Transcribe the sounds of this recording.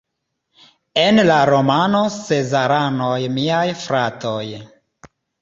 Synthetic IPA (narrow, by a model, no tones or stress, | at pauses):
e̞nlaɾo̞mano̞se̞zaɾanojmiajfɾato̞j